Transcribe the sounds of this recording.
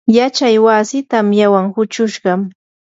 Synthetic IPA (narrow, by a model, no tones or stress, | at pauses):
jat͡ʃajwasɪt̪amjawaŋhʊt͡ʃʊʃɢɑm